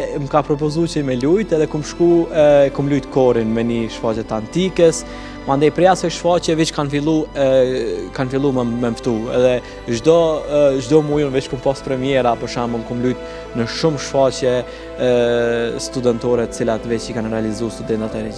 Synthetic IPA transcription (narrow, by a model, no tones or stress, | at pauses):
mkapɾɔp̬ɔzut͡ʃəmɛlujt̪ɛðɛkumʃkuɛkumlujt̪kɔɾinmɛniʃfat͡ʃɛt̪ant̪ikɛs | mand̪ɛjpɾɛasɛʃfat͡ɕɛvit͡ʃkanfilˠu | kanfilˠummɛmft̪uɛ̰ðɛ | ʒd̪ɔʒd̪ɔmujunvit͡ʃkumpaspɾɛmjɛɾapɔʃanmunkumlujt̪ | nəʃumʃfat͡ɕjɛ | st̪ud̪ɛnt̪ɔɾɛt̪ə̥t͡silat̪vɛt͡ʃikanrɛalizust̪ud̪ɛnt̪at̪ɛɾi